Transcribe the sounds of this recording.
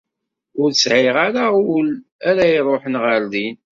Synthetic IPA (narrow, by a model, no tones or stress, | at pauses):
ʊɾsʕɪʁaɾalæɾæjɾˤoħənʁəɾdin